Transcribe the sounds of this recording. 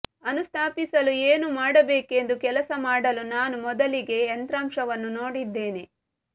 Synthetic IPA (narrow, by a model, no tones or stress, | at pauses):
ɐnust̪ʰaːpisɐlueːnumaːɽɐbeːke̞nd̪ukɛlɐsɐmaːɽɐlunaːnumɔd̪ɐliɡe̞ːnt̪ɾaːmʂɐʋɐnːuno̞ːɽid̪ːe̞ːne